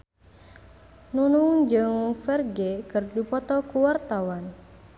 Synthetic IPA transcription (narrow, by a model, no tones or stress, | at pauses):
nunuŋd͡ʒəŋfɛrɡekɨrdupɔt̪ɔkuwart̪awan